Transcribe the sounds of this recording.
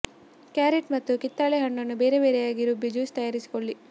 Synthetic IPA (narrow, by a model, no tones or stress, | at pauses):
kjaːɾiʈmɐt̪ːukit̪ːaːɭeɦɐɳːɐnːubeːɾebeːɾɛjaːɡiɾubːid͡ʒuːst̪ɐjaːɾisi̥koɭːi